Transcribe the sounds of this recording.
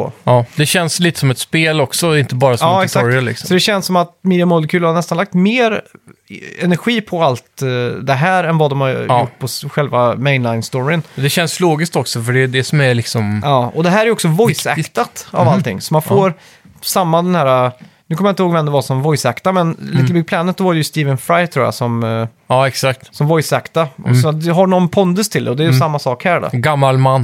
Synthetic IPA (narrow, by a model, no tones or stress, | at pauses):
ɔ̰d̪ɛɕɛnsliːt̪ə̥sɔmɛt̪speːlɔksɔɪnt̪əbɑːɾasɔmɑːɛsakɾɪalɪ̰ksɔsɔd̪ɛɕɛnsːɔmat̪miːd̪ɪjamɔlːəkʰʉːlhanɛst̪anlak̚t̪meːɾ | ɛnæɾɧiːpʰɔalt̪d̪ɛɦæːɾɛnvad̪ɔmhaɾʊʈːpʰɔɧɛlvamɛɪnlaɪnst̪ɔɾɪənd̪ɛɕɛnsloːɡɪsk̚t̪ɔksɔfœɖɛd̪ɛsɔmæɾɭɪksɔmɑːɔd̪ɛɦæːɾɛɾjʏɔksɔvɔjsɛ̰kt̪at̪a̰valt̪ɪ̰ŋːsɔmanfoːɾ | samːad̪ɛnhæːɾanʉkʰɔmjaɪnt̪əhoːɡvɛmd̪ɛvasɔmvɔjsɛkt̪amɛnliːt̪əbʏɡ̚pʰlɛːnət̪d̪ɔvaɾɛjʉst̪iːvənfɾajt̪ʰɾuːja̰sɔm | ɑɛksak̚t̪sɔmvɔjsɛkt̪aʔɔ̰sɔd̪ɦanɔnpʰɔnd̪ɵst̪ʰɪld̪ɛ̰ɔd̪ɛjsamːasɑːkhæːɖɔ̰ɡamːalmanː